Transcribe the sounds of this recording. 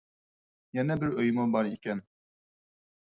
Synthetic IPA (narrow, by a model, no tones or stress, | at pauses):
jɛnɛbɪɾøjmubɑɾikʲɛn